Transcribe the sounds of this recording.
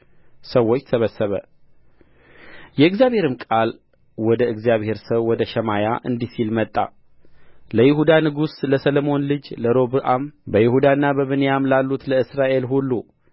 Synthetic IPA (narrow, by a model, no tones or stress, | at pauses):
səwːot͡ʃːt̪ʰəβəsːəβə̰ | jɛɨɡzjaβhe̞ɾɨmkʼal | wɔd̪əɨɡzjaβhe̞ɾsəwːɔd̪əʃɛmajaʔɨ̰nd̪isilmət̪ʼːa̰ | ləjɪhud̪anɨɡusləsəlomo̞nlɨd͡ʒləɾo̞bɨʔambəjɪhud̪anːabəβɨnejamlalːut̪ləɨsɾaʔe̞lɦulːu